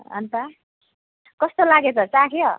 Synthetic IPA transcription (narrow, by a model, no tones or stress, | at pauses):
ʌ̰nt̪a | kʌst̪olaɡet͡sʌt͡sãkʰjo